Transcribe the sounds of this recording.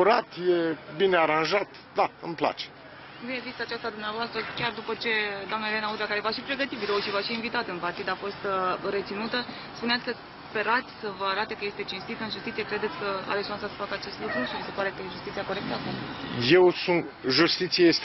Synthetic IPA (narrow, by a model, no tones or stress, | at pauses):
uɾat̪jebineaɾanʒat̪ | d̪aɨmpla̰t͡ʃe̥ | binevist̪at͡ʃast̪ad̪umneavoast̪ɾəkʲard̪upət͡ʃe̞d̪oamnəelenaud̪ɾakaɾe̞vaʃipɾe̞ɡət̪ibiɾowuʃivaʃiːnvit̪at̪ɨnpart̪id̪afo̞st̪ɾe̞t̪sinut̪ə | spuneat̪sʲkəs | pe̞ɾat̪sʲsəvəaɾat̪e̞kəje̞st̪et͡ʃinst̪it̪əɨnʒust̪it̪sije̞kɾe̞d̪e̞t̪sʲkəa̰ɾet̪sʃuansasə̥fakəat͡ʃe̞st̪lukɾuʃivise̞paɾe̞kəjeʒust̪it̪sijako̞ɾe̞k̚t̪əakumjewsunt̪ʒust̪it̪siajest̪